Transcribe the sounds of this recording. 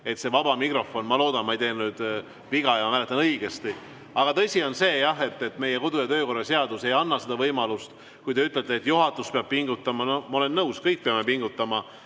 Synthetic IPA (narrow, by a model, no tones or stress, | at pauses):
e̞t̪se̞vɑbɑmikro̞fo̞nmɑlo̞ːd̪̥ɑnmɑejt̪e̞ːnnyːd̪̥ | viɡɑjɑɑmæle̞t̪ːˑɑnɤiɡ̥e̞st̪i | ɑɡ̥ɑt̪ɤsio̞nse̞ːjɑɦe̞t̪ːˑe̞t̪ːˑme̞jeko̞d̪ujɑt̪ø̞ːko̞rːɑse̞ɑd̪̥use̞jɑnːɑsed̪ɑvɤjmɑlust̪ | kujd̪eyt̪ːˑlelt̪ːˑeːt̪ːˑjuɦɑt̪ːˑuspeɑb̥̚piŋɡut̪ːˑɑmɑno̞hmɑole̞nːɤwskɤjk̚peɑme̞piŋɡut̪ːˑɑmɑ